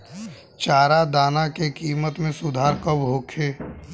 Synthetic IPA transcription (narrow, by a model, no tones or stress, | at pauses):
t͡ʃaːɾad̪aːnakekiːmət̪mẽsʊd̪ʱaːɾkəbɦoːkʰeː